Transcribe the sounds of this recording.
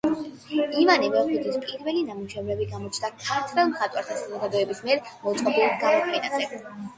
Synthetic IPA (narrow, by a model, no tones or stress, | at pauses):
ivanimɛɔχud̪ɛspʼiɾvɛlinamuʃɛvɾɛbiɡamɔt͡ʃʰnd̪akʰaɾt̪ʰɾɛlˠmχat̪ʼwaɾt̪ʰasazɔɡad̪ɔɛbismiɛɾmɔt̪sʼqʼɔbilˠat̪ɡamɔt̪ʰɛnazɛ